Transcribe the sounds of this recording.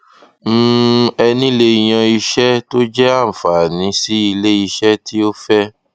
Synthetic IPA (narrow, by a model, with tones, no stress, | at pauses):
m̩˦ɛ˧nĩ˦le˧j̃ã˧i˧ʃɛ˦to˦d͡ʒɛ˦a˦˨fa˨nĩ˨˦si˦i˧le˦i˧ʃɛ˦ti˦o˦fɛ˦